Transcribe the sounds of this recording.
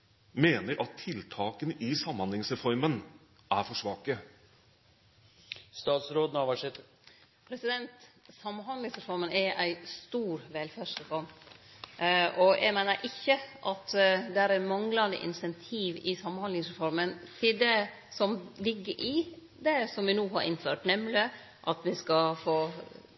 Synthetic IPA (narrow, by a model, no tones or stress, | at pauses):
meːnəɾʔɑt̪ʰːɪlt̪ʰɑːkənɪsɑmːhɑnlɪŋsɾɛfɔɾmən | æɾfɔʂʋɑːkə | st̪ɑːt̪sɾoːd̪nɑʋæʂɛt̪ | pʰɾɛsɪd̪ɛnt̪ | sɑmːɑnhɑnlɪŋsɾɛfɔɾmənæʔæɪst̪uːɾʋɛlfæːʂɾɛfɔɾm | ʔɔjʔæ̰ɡmæɪnəɾʔɪçːəʔɑt̪d̪ɛæɾæmɑŋlɑnd̪ə̰ʔɪ̰nsɛnt̪ʰiːʋɪsɑmːnhɑnlɪŋsɾɛfɔɾmənt̪ʰɪld̪ɛ | sɔmlɪɡːəɾʔɪ | d̪ɛsɔmʋɪnuːɦɑɾʔɪ̰nføːʈnɛmlɪ | ʔɑt̪ʋɪskɑfoː